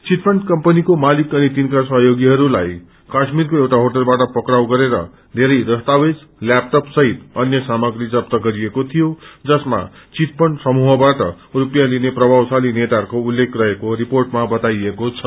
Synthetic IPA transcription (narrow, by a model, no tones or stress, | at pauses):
t͡sit̪pʰʌɳɖkʌmpʌnikomalikʌnit̪inkasʌɦʌjoɡiɦʌɾulaj | kasmiɾkoewʈaɦoʈʌlbaʈʌpʌkɾawɡʌɾeɾʌ̰ | d̪ʱeɾʌjɾʌst̪awed͡zlap̚ʈʌpsʌɦit̪ʌnjʌsamʌɡɾid͡zʌpt̪ʌɡʌɾiekot̪ʰijod͡zʌsma̰ | t͡sit̪̚pʌɳsʌmuɦʌbaʈʌ̰ | rupjalinepɾʌbʱawsalinet̪arkoulːekʰrʌɦekoɾiporʈmabʌt̪ajekot͡sʰʌ